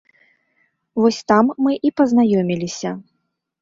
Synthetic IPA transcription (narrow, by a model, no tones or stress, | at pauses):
vɔsʲt̪amːɨʔipɐznajɔmʲilʲisʲɐ